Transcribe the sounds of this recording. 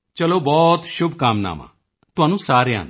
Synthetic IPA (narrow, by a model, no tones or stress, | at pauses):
t͡ʃɐlobɔːt̪ʃʊbʱkaːmna̰ːmã̰ | t̪ʊɦaːnũsaːɾjã̰ːn